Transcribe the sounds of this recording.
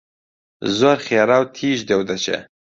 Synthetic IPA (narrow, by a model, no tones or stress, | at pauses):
zwaɾxjɑɾawt̪ʰiʒd̪ewd̪at͡ʃḛ